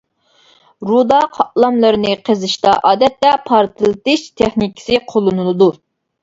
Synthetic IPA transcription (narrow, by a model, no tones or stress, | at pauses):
ɾud̪ɑqʰɑʔlˠɑmlˠɨɾɨnɨqʰəzɨʃt̪ɑʔɑːd̪ɛt̪ːɛpʰɑɾt̪ɨlˠɨt̪ɨʃt̪ʰeχnikʲʰɪ̥sɨqʰolˠɨnɨlˠɨd̪u